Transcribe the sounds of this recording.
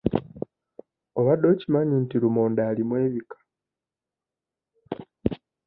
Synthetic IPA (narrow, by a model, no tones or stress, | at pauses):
o̞βado̞ːcimaɲiːntilumoːndaːlimwe̞ːβikḁ